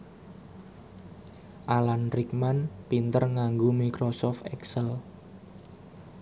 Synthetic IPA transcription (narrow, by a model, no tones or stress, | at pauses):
ʔalanrikmanpint̪ərŋaŋɡomikɾosɔft̪ɛksəl